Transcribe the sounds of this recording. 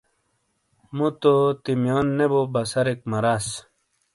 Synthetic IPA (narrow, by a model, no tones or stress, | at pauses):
mut̪ot̪imjonːebobɐsɐɾekmɐɾas